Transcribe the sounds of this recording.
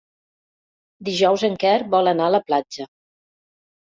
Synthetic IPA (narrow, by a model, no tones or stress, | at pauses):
d̪iʒɔwzəŋkɛɾbɔlənaələplad͡ʒə